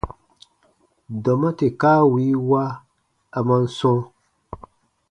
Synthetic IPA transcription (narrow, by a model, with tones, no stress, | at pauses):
dɔ˨ma˦te˨kaː˦wi˨˦wa˦ | a˨ma˦n̩˦sɔ̃˦